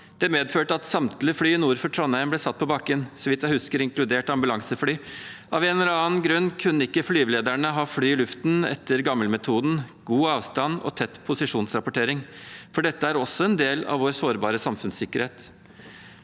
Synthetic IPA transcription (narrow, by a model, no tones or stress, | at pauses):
d̪̥ɛmeːd̪føːʈəɑt̪sɑmt̪lɪəflyːɪnuːɾfɔʈʰɾɔnæɪəmblɛsɑt̪̚ːpʰɔbɑkːənsɔʋɪt̪jæhʉskəɾɪŋklʉd̪eːʈɑmbʉlɑŋsəflyːʔɑʋeːnɔɾɑːnɡɾʉnːkʰʉnːəɪkːəflyːʋleːd̪æɳəɦɑːflyːɪlʉft̪nɛ̰t̪ːəɾɡɑmːəlmɛt̪ʰuːd̪n̩ɡ̥uːɑːʋst̪ɑnɔ̰t̪ʰɛt̪ːpʰʊsɪʂuːnsɾɑpʊʈʰeːɾɪŋfɔɖɛt̪ːəæɾɔsːɔɛnd̪eːlɑ̰ʋʋoːɾsoːɾbɑːɾəsɑmfʉnssɪkːəɾheːt̪